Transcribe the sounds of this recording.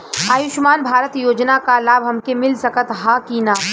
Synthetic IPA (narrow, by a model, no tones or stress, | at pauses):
aːjʊʃmaːnbʱaːɾət̪joːd͡ʒnakalaːbʱɦɐmkemɪlsɐkət̪ɦaːkiːnaː